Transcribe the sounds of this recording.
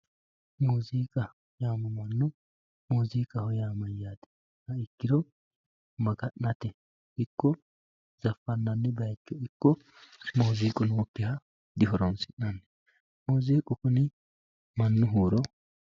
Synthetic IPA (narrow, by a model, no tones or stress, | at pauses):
moːziːkʼɐ | jaːmɐmɐnːʊ | moːziːkʼɐhɔjaːmɐjːaːt̪ɛ̥ | hɐɪkːɪd̪ɔ | mɐɡɐʔnɐt̪ɛ | ɪkːɔ | z̥ɐfːɐnːɐnːɛbɐjkːɔɪkːɔ | moːziːkʼʊnoːkːɪhɐ | d̪ɪɦɔɾɔnsɪʔnɐnːɛ | moːziːkʼʊkʊnɪ | mɐnːʊɦuːɾɔ